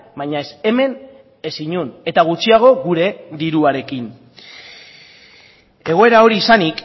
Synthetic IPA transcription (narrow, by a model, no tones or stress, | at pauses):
baɲaese̞me̞n | e̞siɲune̞t̪aɣ̞ut͡siaɣ̞o̞ɣuɾe̞d̪iɾuaɾe̞kin | e̞ɣ̞o̞e̞ɾao̞ɾiːsanik